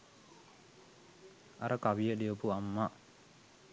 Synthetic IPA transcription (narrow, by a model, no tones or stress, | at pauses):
a̰ɾəkaʋijəlijəpuamːa